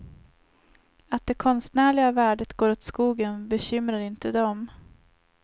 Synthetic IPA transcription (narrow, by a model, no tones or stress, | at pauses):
at̪̚d̪̥ɛkʰɔnst̪næːɭɪɡavæːɖət̪ɡoːɾoːt̪skuːɡənbɛɕʏmɾaɾɪnt̪əd̪ɔm